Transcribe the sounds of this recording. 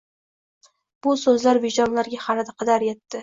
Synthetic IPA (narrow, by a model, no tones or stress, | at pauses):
b̥ʊsɵzlaɾbɪd͡ʒɒmlaɾɡʲaχɑɾɪd̪aqʰɑd̪aɾjet̪ːɪ